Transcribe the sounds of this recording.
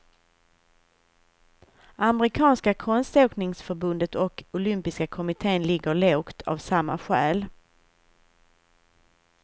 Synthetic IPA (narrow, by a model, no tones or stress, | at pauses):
ʔamɾɪkʰɑːnskakʰɔnst̪oːknɪŋsfœɾbɵnd̪ət̪ɔkʊlʏmpɪskakʰɔmɪt̪ʰeːnlɪɡːəɭoːkt̪ʰa̰vsamːa̰ɧæːl